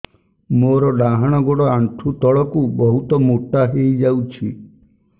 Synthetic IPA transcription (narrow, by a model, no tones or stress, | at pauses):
moɾɔɖaɦaɽ̃ɔɡoɽɔaɳʈʰut̪ɔɭɔkubɔɦut̪ɔmuʈːaɦejd͡ʒawt͡ʃʰi